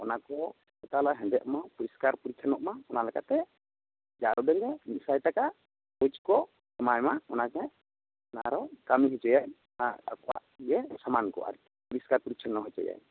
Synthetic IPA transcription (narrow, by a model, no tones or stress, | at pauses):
ɔnakɔ | kɔt̪alaɦɛ̃ndɛʔmapuɾiskaɾpuɾit͡ʃʰanɔʔmaɔnalɛka̰t̪ɛ | d͡ʒaɾɔdɔɲd͡ʒɛmit̪sajtaka | ɔjt͡ʃkɔ | sɔmajmaɔnad͡ʒɛ | naaɾɔkamiɦit͡ʃɔjaj | ɔnaa̰kɔwa̰ʔiɛsamankɔ̰a̰ɾi | puɾiskaɾpuɾit͡ʃʰɔnːɔɦɔt͡ʃɔ̰ja̰j